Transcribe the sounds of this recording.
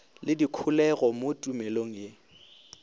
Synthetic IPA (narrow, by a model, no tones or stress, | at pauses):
lɪdikʰʊlɛɣɔmotʼumɛloŋ̩je